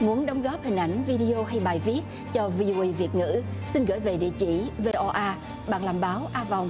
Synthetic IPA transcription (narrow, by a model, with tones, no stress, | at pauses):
mu˨˦ənɗə˨˦wŋ͡mɣɔ˦˥p̚hï˨˩ŋ̟ʔa˧˩jŋ̟vi˧ɗi˧o˧ɦa˧jɓaː˨˩jvi˦˥ət̚ | t͡ɕɔ˧vi˧ʔo˧ʔi˧vi˨˩ət̚ŋɨ̰˧˥si˧nɣəː˧˩jve˨˩ɗḭ˧˨ət͡ɕḭ˧˩ve˧ʔɔ˧ʔaː˧ | ɓa̰ː˧˨ŋlaː˨˩mɓaː˨˦wʔaː˧va˨˩wŋ͡m